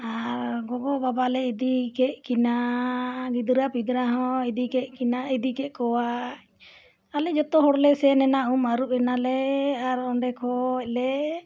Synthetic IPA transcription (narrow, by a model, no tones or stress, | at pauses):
aɾɡɔɡɔbabalɛid̪ikɛʔkina | ɡid̪ɾapid̪ɾaɦɔ̃id̪ikɛʔkinaid̪ikɛʔkɔwa | alɛd͡ʒɔt̪ɔɦɔɽlɛsɛnɛnaʔumaɾup̚ɛnalɛaɾɔɳɖɛkʰɔlɛ